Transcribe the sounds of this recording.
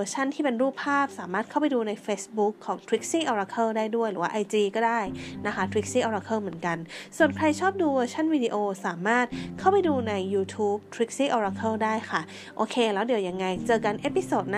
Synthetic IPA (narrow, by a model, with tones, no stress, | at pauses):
t͡ɕʰa˥˩nt̪ʰiː˥˩pe˧nɾuː˥˩pʰːaː˥˩p̚saː˩˦maː˥˩t̪̚ʰa˥˩wp̬a˧jduː˧na˧jfeː˦˥sbu˦˥kʰːɔː˩˦ŋt̪ʰɾi˦˥k̚siː˥˩ʔɔː˧ɾa˧kʰɤː˥˩daː˥˩jdu˥˩əjɾɯː˩˦waː˥˩ʔa˧jt͡ɕiː˧kɔː˥˩daː˥˩jna˦˥kʰa˦˥t̪ʰɾi˦˥k̚siː˥˩ʔɔː˧ɾaː˧kʰɤː˥˩mɯ˩˦ənka˧nsu˨˩ənkʰɾa˧jt͡ɕʰɔː˥˩p̚duː˧wəː˧t͡ɕʰa˥˩nwiː˧di˧ʔoː˧saː˩˦maː˥˩t̪̚kʰa˥˩wpa˧jduː˧na˧jːuː˧t̪ʰuː˦˥p̚t̪ʰɾi˦˥k̚siː˥˩ʔɔː˧ɾaː˧kʰɤː˥˩daː˥˩jkʰa˥˩ | ʔoː˧kʰeː˧lɛː˦˥wdi˨˩˦wja˧ŋːa˧jt͡ɕɤː˧ka˧nʔe˦˥pi˧soː˨˩t̪̚n˦˥